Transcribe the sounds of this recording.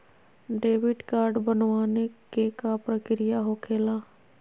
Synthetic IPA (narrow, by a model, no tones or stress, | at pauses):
ɖeːʋɪɖkaːɾɖbənʋaːnekekapɾəkɾɪjaɦokʰeːlaː